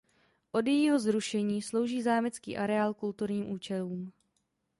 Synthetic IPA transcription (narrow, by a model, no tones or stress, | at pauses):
ʔo̞djɛjiːɦo̞zɾuʃɛɲiːslo̞wʒiːzaːmɪt͡skḭːʔaɾɛaːlkult̪uɾɲiːmʔuːt͡ʃɛluːm